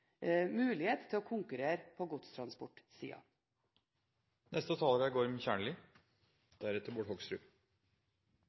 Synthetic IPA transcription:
mʉːlɪheːt̪ʰːɪloːkʰʊŋkʉɾeːɾpʰoːɡʊt̪st̪ʰɾɑnspɔʈsḭːɑ̰ | nɛ̰st̪ət̪ʰɑːləɾæɪɡoːɾmɪçæːɳɭɪ | d̪̥æɾɛt̪əɾbɔʈhɔɡsɾʉ̰ː

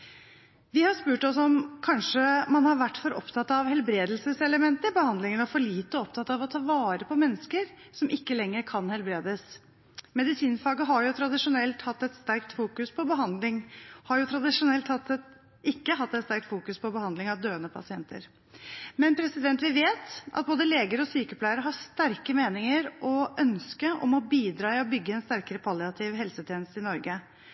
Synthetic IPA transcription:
ʋɪhɑʂpʉːʈɔsɔmkʰɑnʂəmɑnhɑɾʋæʈːfɔɾɔ̰pt̪ʰɑt̪ːɑʋhɛlbɾeːd̪əlsəsɛləmɛnt̪əɾbəhɑnd̪lɪŋənɔfɔɭiːt̪ːɔɔpt̪ʰɑt̪ːɑʋɔt̪ʰɑːʋɑːɾəpʰɔmɛnːəskəɾ | sɔmʔɪkːəlɛŋːəɾkʰɑnhɛlbɾeːd̪əs | mɛd̪ɪsiːnfɑːɡəɦɑɾjʊt̪ʰɾɑd̪ɪʂʊnɛlt̪hɑt̪ːɛt̪st̪æɾk̚t̪fuːkʉspʰɔbəɦɑnd̪lɪŋhɑɾjʊt̪ʰɾɑd̪ɪʂʊnɛlt̪hɑt̪ːɛt̪ | ɪkːəɦɑt̪ːɛt̪st̪æɾk̚t̪fuːkʉspʰɔbəhɑnd̪lɪŋɑʋd̪øːənəpʰɑ̰sɪɛnt̪ə̰ɾ | mɛnpʰɾɛsɪd̪ɛnt̪ʋɪʋeːt̪ʔɑ̰t̪̚boːd̪əleːɡəɾɔsyːkəpʰlæɪəɾəɦɑst̪æɾkəmeːnɪŋəɾʔɔʔœnskəʔɔ̰mɔbiːd̪ɾɑːɪɔbʏɡːəɛnst̪æɾkəɾəpʰɑlɪɑt̪ʰɪʋɦɛlsət̪ʰjeːnəst̪ɪnɔɾɡə

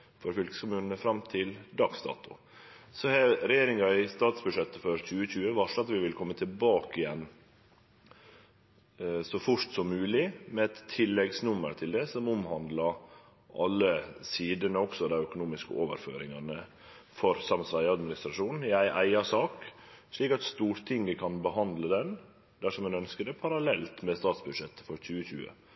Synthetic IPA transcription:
fɔɾfʏlkəskʊmʉːnənəfɾɑmt̪ʰɪld̪ɑksd̪ɑ̰ːt̪ʊ̰ | sɔhɛɾɛjeːɾɪŋɑɪst̪ɑːt̪sbʉʂɛt̪ːəfɔɾçʉːəçʉːəʋɑʂɑt̪ʋɪʋɪlkʰɔmːət̪ʰɪlbɑːkɪjɛnː | sɔfʊʂʈsɔmːʉːlɪmɛɛt̪ʰːɪlːɛɡsnʉmːə̰ɾt̪ʰɪld̪ɛsɔmʊmhɑnd̪lɑ | ʔɑlːəsiːd̪ənəɔksɔd̪æɪœkʊnuːmɪskə̰oːʋə̰ɾfø̰ːɾɪŋɑnə | fɔɾsɑmsʋæɪɑd̪mɪnɪst̪ɾɑʂuːnn̩jæɪʔæɪɑʂɑːk | ʂɭiːkɑt̪st̪uːɾt̪ʰɪŋːəkʰɑnbəɦɑnd̪ləd̪ɛn | d̪̥æʂɔmɛnœnskəd̪ɛpʰɑɾɑlɛlt̪mɛst̪ɑːt̪sbʉd̪ʂɛt̪ːə̥fɔɾçʉːəçʉ̰ːə̰

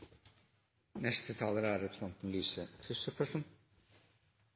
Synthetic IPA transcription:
nɛst̪ət̪ʰɑːləɾæɾɾɛpɾəsɛnt̪n̩lyːsəkʰɾʉʂəfʰœʂən

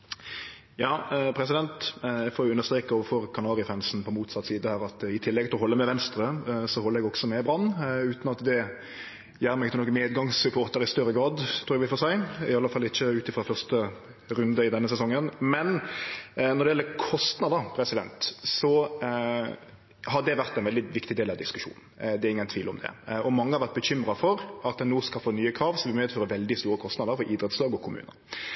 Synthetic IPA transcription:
jɑːpʰɾɛsɪd̪ɛnt̪ɛɡfɔːɾjʊʉnːəɾst̪ɾeːkɑoːʋəfɔɾkʰɑnɑːɾɪfænsn̩pʰɔmuːt̪sɑt̪ːsiːd̪əhæːʁɑt̪ɪt̪ʰɪlːɛɡ̚t̪ɪlɔɦɔlːəmɛʋɛnst̪ɾəsɔhɔlːɾɛɡɔɡsɔmɛbɾɑnːʉːt̪nɑt̪d̪ɛ | jæːɾmɛɡɪt̪ːənoːkːəmeːd̪ɡɑŋsʉpʰoːɾt̪əɾɪst̪œɾːəɡɾɑːd̪t̪ʰɾuːɾɛæʋɪfoːsæɪɪ̰ɑlːəfɑlːɪçːəʉːt̪ɪfɾɑfœʁst̪ə | ɾʉnd̪əɪd̪ɛnːəsɛsɔŋːənmɛn | nɔʁɾɖɛjɛlːəkʰɔst̪nɑd̪əɾpʰɾɛsɪd̪ɛnt̪sɔ | ɦɑɖɛʋæɾt̪æɛɪnʋɛld̪ɪʋɪkt̪ɪd̪eːlɑʋd̪ɪskʉʂṵːnn̩d̪ɛɾɪŋːənt̪ʰʋiːlɔmd̪ɛ̰ɔmɑŋːəhɑʋæʁt̪bəɕʏmɾɑfɔɾɑt̪̚d̪ɛnoːskɑlfoːnyːəkʰɾɑːʋsɔmʋɪmyːheɛt̪føːɾəʋɛld̪ɪst̪uːɾəkʰɔst̪nɑd̪əɾfɔɾʔɪd̪ɾɛt̪slɑːɡɔkʰʊmʉ̰ːnə̰ɾ

